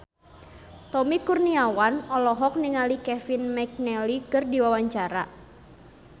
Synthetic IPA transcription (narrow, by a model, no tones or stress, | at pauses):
t̪ɔmikurniawanɔlɔɦɔk̚niŋalikɛfinmɛk̚nɛlikɨrdiwawaɲt͡ʃaɾa̰